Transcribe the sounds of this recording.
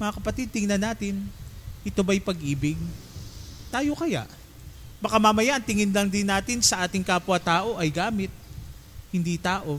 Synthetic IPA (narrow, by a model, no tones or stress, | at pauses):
mɐŋɐkɐpɐt̪id̪̚t̪ɪŋnɐnaːt̪ɪnʔɪt̪o̞bɐjpɐɡʔiːbɪɡ̚ | t̪aːjo̞kɐja̰ʔ | bɐkamɐmɐjaʔɐŋt̪ɪŋɪnlɐŋd̪ɪnːaːt̪ɪnsɐʔaːt̪ɪŋkaːpwat̪aːʔo̞ʔɐjɡaːmɪt̪̚hɪnd̪it̪aːʔo̞